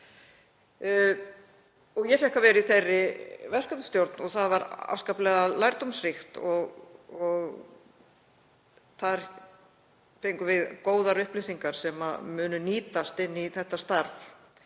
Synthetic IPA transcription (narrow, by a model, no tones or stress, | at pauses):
ɔɣjɛfjɛhkavɛːɾiθejrːɪvɛr̥kʏt̪nst̪jowɾt̪nɔɣθaðvaɾa̰fskaplɛɣalajɾt̪umsrɪxt̪ɔɣɔɣ | θaɾ | fejŋkʏvɪðkoːwðaɾʏhplɪsiŋkaɾ̥sɛma̰mʏːnʏniːt̪ast̪ɪnːiθɛht̪ːast̪aɾf